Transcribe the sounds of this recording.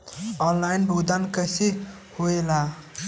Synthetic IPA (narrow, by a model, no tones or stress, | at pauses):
ɔnlajnbʱod̪ankəse | hoela